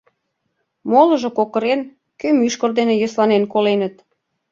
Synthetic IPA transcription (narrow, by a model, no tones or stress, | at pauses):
molə̆ʒŏkokɤ̆ɾen | kømyʃkə̆rd̪enejəslɑnenkolenə̆t̪̚